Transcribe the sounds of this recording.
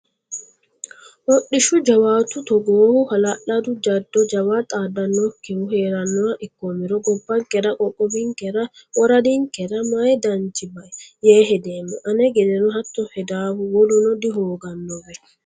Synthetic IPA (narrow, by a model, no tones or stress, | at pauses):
ʔɔɗɪʃʊd͡ʒɐwaːt̪ʊt̪ɔɡoːhʊhɐlɐʔɐd̪ʊd͡ʒɐd̪ːɔd͡ʒɐwaːt̪ʼaːd̪ɐnːɔkːɛhʊheːɾɐnːɔɐʔɪkːɔmɪɾɔɡɔbːɐŋkʼɛɾɐkʼɔkʼːɔbɪŋkɛɾɐ | wɔɾɐd̪ɪŋkɛɾɐmɐjd̪ɐnt͡ʃːɪbɐʔɛjeːɦɛd̪eːmːɔʔɐnɛɡɛd̪ɛnɔɦɐt̪ːɔhɛd̪aːbʊwɔlʊnɔd̪ɪɦoːɡɐnːɔbɛ